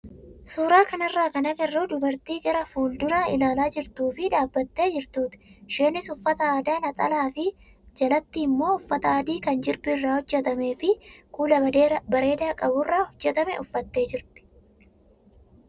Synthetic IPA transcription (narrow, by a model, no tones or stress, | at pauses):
suːɾaːkɐnɐrːaːkɐnɐɡɛrːuːd̪ʊbɐɾt̪iːɡɛɾɐfuːld̪ʊnaːɪlaːlaːd͡ʒɪɾt̪uːfɪᶑaːbːɐt̪ːe̞ːd͡ʒɪɾt̪uːt̪ɪ̥ʃeːnɪsʊfːɐt̪ɐaːd̪aːnɐt̪ʼɐ̰laːfɪ | d͡ʒɐlɐt̪ːiːmːo̞ːʊfːɐt̪ɐaːd̪iːkɐnd͡ʒɪɾbɪrːaːhɔd͡ʒːɛt̪ɐme̞ːfɪkuːlɐɐbɐɾe̞ːd̪aːkʼɐbʊrːaːhɔd͡ʒːɛt̪ɐmɛ̰ʔʊfːɐt̪ːe̞ːd͡ʒɪɾt̪ɪ̥